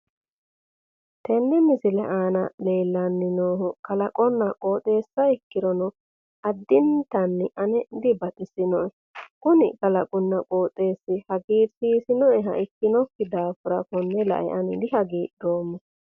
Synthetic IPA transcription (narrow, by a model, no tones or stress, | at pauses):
t̪ɛnːɛmɪsɪlɛ̰ʔaːnɐleːlːɐnːɪnoːɦʊkɐlɐkʼɔnːɐkʼoːt̪ʼe̞ːsːɐɪkːɪɾɔnɔ | ɐd̪ːɪnt̪ɐnːɪʔɐnɛd̪ɪbɐt̪ʼɪsɪnɔʔɛ | kʊnɪ̰kɐlɐkʼʊnːɐkʼoːt̪ʼe̞ːsːɪhɐɡiːɾsiːsɪnɔɛɦɐ̰ʔɪkːɪnɔkːɪd̪aːfʊɾɐkɔnːɛlɐ̰ʔɛ̰ʔɐnɪd̪ɪɦɐɡiːʔd̪oːmːɔ